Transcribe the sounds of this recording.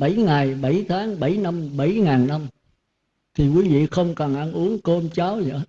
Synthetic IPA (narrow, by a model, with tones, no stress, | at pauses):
ɓa˧˩jŋa˨˩jɓa˧˩jt̪ʰaː˨˦ŋɓa˧˩jna˧mɓa˧˩jŋaː˨˩nna˧m | t̪ʰi˨˩kwi˨˦vḭ˧˨xə˧wŋ͡mkɔ˨˩nʔa˧nʔu˨˦əŋko˧mt͡ɕa˨˦wzə̰˧˨˦